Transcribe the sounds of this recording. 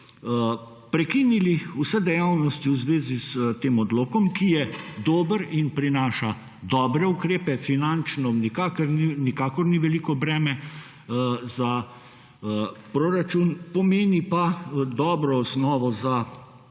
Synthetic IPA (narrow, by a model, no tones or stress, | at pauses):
pɾɛkiniliusɛd̪ɛjawnɔst̪iwzʋeːzist̪eːmɔd̪loːkɔmkijɛd̪oːbəɾinpɾinaːʃa | d̪ɔːbɾɛukɾeːpɛfinant͡ʃnɔnikakəɾninikaːkɔɾniʋɛliːkɔbɾɛːmɛ | za | pɾoːɾat͡ʃunpɔmeːnipad̪ɔːbɾɔɔsnɔːʋɔza